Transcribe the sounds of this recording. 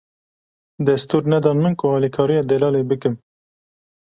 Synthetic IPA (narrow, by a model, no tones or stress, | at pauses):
d̪ɛst̪uːɾnɛd̪ɑːnmɨnkʊhɑːlikʰɑːɾijɑːd̪ɛlɑːleːbɨkɨm